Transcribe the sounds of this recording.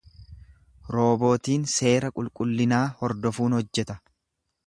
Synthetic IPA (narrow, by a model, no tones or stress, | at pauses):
ɾo̞ːbo̞ːt̪iːnse̞ːɾɐkʼʊlkʼʊlːɪnaːhɔɾd̪ɔfuːnhɔd͡ʒːɛt̪ɐ